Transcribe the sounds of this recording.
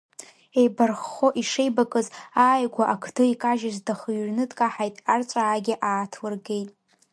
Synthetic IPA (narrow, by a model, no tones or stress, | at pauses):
e̞jbarχːoʔiʂejbakʼɨzaːjɡʷaʔakʰdʰɨikʼaʒazdaχɥrnɨtʼkʼaħajtʼart͡ʃʷʼaːɡʲɪʔaːtʰwɨrɡejtʼ